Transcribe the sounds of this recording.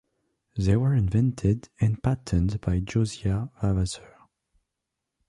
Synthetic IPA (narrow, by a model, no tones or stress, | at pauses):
ðeɪwə˞ɪ̃nvɛ̃ntʰɪdɨ̃npʰætʰə̃ndbajd͡ʒoziavavazə˞